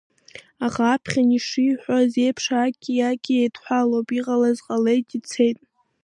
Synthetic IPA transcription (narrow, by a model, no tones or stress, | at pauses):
aχaːpʰχʲaniʂiħʷaze̞jpʰʂaɡʲijaɡʲʼiejdħʷᶣalopʼiʁalazqʼale̞jtʼit͡sʰe̞jtʼ